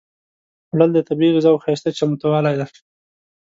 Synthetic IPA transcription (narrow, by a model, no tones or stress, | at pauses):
ɽəld̪ət̪abiɣɪzawxajst̪at͡ʃamut̪awɑlajd̪a